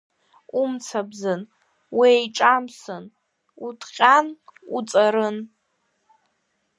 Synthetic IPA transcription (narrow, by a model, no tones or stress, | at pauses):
umt͡sʰabzɨn | wiejʈ͡ʂʼamsɨn | utʰqʲʼanut͡sʼaɾɨn